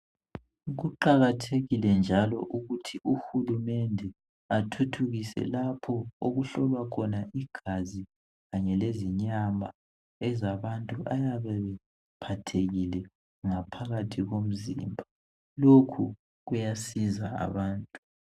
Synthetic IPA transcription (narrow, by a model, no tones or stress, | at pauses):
ɣuǃaɣatʰeɣilɛnd͡ʒʱalɔ̰ʔuɣutʰiuxulumɛndʱɛ | atʰutʰuɣisɛ̰lapʰɔoɣuɬɔlwakʰɔnaʔiɡ̥ʱazi | ɣaɲɛleziɲama | ɛzaβantʼuʔajaβɛβɛ | pʰatʰeɣilɛ | ŋapʰaɣatʰiɣom̩zḭmbʱa | lokʰu | ɣujasizaa̰βaːntʼu